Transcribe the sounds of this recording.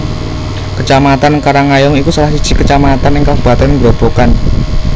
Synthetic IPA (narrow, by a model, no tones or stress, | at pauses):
kət͡ʃamat̪ankaɾaŋajɔŋikusəlahsid̥ʒ̥i̤kət͡ʃamat̪anɪŋkab̥a̤t̪ənŋbɾob̥okan